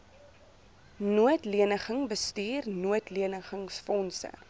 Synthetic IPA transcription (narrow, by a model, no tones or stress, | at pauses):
nuətliənəχəŋbəstiːrnuətliənəχəŋsfɔnsə̰